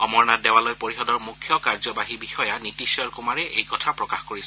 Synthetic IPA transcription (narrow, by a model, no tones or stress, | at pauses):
ɔmɔɹnadɛwalojpoɹixɔdɔɹmukʰːjɔkaɹzɔbaɦibixɔjanitisjɔɹkumaɹɛʔḛjkɔtʰapɹɔkaxkoɹisɛ